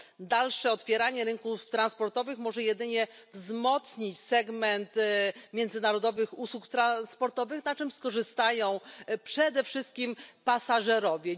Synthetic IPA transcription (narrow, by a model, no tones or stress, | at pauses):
d̪alʂɛɔt̪fʲjɛɾaɲɛɾɘŋkuft̪ɾanspɔɾt̪ɔvɘxmɔʐɛjɛd̪ɘɲɛ | vzmɔt̪sɲit͡ɕsɛɡmɛnt̪mʲjɛnd̪zɘnaɾɔd̪ɔvɘxuswukt̪ɾaspɔɾt̪ɔvɘxnat͡ʂɘmskɔʐɘst̪ajɔ̃w̃pʂɛd̪ɛfʂɘst̪̚kʲimpasaʐɛɾɔvʲjɛ